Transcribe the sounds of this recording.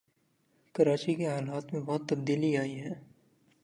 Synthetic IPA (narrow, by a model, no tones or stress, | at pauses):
kɐɾaːt͡ʃikeɦaːlaːt̪mẽbɔɦt̪ːɐb̚d̪iːliaːiɦɛː